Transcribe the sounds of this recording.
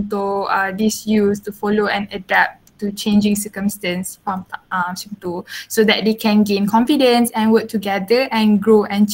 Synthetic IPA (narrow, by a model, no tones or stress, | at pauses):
t̪odisjustufɔloɛ̃nədɛp̚ | tut͡ʃẽnd͡ʒĩŋsəkə̃mstɛ̃nsfɔ̃sĩmt̪osod̪ɛt̚dekʰɛ̃nɡẽnkʰɔ̃ɱfidə̃nsɛ̃nwək̚tuɡɛdəʔɛ̃nɡɹoʔɛ̃nt͡ʃ